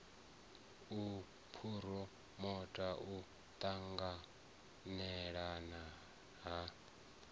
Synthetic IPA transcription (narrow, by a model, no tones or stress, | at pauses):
u | pʰuɾɔ | mɔtʼaʔu | t̪ʼaŋɡa | nɛɺana | ɦa